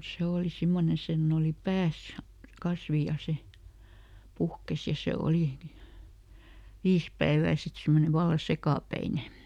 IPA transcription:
se oːli simːone senː oːli pæːs kɑsʋi jɑ se puhkes jɑ se oliˑ ʋiːs pæeʋæː sit simːone ʋɑlːɑ sekɑˑpæine

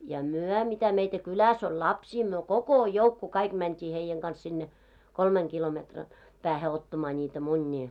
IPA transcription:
jɑ myœ mitæ meitæ kylæs olʲ lɑpsiː myø koko joukːu kɑik mæntʲiː heijeŋ ɡ̊ɑns sinːe kolmeŋ kilometrɑn pæːhe otːɑmɑː nʲiːtæ munʲːiː

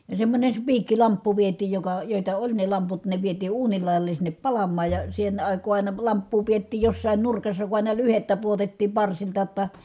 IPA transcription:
jɑ semːonʲes spiːkːilɑmpːu ʋietˑiːj jokɑ joˑitɑ olʲ ne lɑmput ne ʋietiː uːnil lɑˑi̯jɑle sinːep pɑlɑmːɑːj jɑ sen ɑˑikˑoː ɑˑi̯nɑ lɑmpːuː pietːiːj josːɑˑin nurkɑsːɑ ku ɑˑinɑ lyhetːæ puotetːiːm pɑrsiltɑ tːɑ

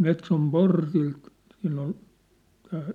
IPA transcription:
metsom portilt siːnː on tæː

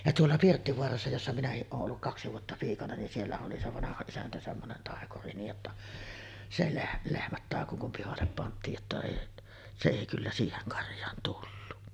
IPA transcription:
jɑ tuolːɑ pirtːiʋoɑrɑsːɑ josːɑ minæhiʔ ʔoːʔ ʔolːuk kɑksi ʋuotːɑ piːkɑnɑ nin sielːæ oli se ʋɑnɑhɑ isæntæ semːonen tɑˑekuri niːj jotːɑ se leh lehmæt tɑˑeko kum pihɑlːep pɑntˑiːj jotːɑ eˑi se eˑi kylːæ siːheŋ kɑrjˑɑːn tulːu

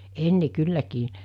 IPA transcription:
enːe kylːækiː

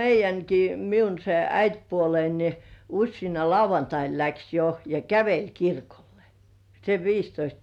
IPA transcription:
meijˑæŋki miun se æitpuolein ni usʲsiːnɑ lɑuʋɑntɑin læks jo jɑ kæʋelʲ kirkolːe̥ seʋ ʋiːstoist

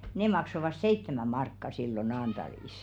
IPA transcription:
ne mɑksoʋɑs seitːemæ mɑrkːɑ silːo nɑːnd̥ɑliˑs

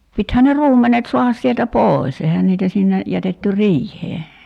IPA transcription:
pithæn ne ruːmːenet so̝ɑhɑs sieltæ poˑis ehæn niːtæ sinːe jætetːy riːhˑeː

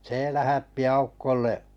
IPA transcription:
se læhætːi ɑukːolːeʔ

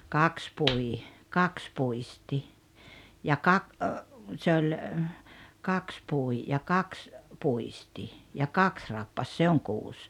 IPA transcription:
kɑks pui kɑks puisti jɑ kɑk se olʲ kɑks pui jɑ kɑks puisti jɑ kɑks rɑpːɑs se oŋ kuːs

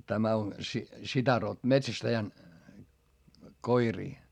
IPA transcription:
tæmæ on sitæ ro metsæstæjæn koiriː

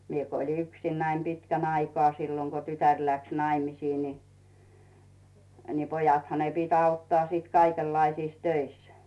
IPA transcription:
mie ko olʲi yksinːæi pitkæn ɑikŏɑː silːoŋ ko tytær læks nɑimisiː ni ni pojɑthɑ ne pit ɑutːɑː siːt kɑikelːɑisiːs tøis

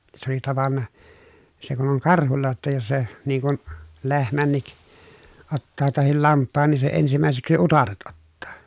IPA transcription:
se oli tɑʋɑnːɑ se kun oŋ kɑrhulːɑ jotːɑ jos se niŋ kun lehmænːik otːɑː tɑhil lɑmpːɑːn niː se ensimæˑeseksi utɑret otːɑː

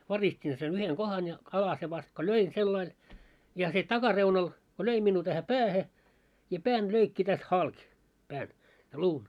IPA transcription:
ʋɑristin sen yheŋ ɡ̊ohɑn jɑ ɑlɑse ʋɑst ko løin selːɑil jɑ se tɑkɑreunɑl ko løi minːuː tæhæ pæːhe jɑ pæːn løikːi tæst hɑlk pæːn jɑ luːn

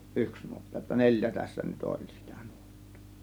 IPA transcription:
ʔyks nuotːɑ jotːɑ nelʲjæ tæsːæ nyt olʲ si̥tæ̥ n̥u̥o̥tːo̥ː

